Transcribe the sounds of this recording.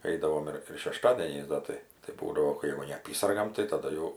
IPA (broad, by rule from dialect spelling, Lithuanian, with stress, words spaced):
ˈɛɪdɐʋoːm ɪr ɪr ʃʲɛˈʃtɑːdʲiɛnʲɛɪs ˈdɐ tɐɪ tɐɪ ˈbuːdɐʋoː ˈkɐɪ jɛʊ nʲɛɐˈpʲiːsɐrɡɐm tɐɪ tɐˈdɐ jɛʊ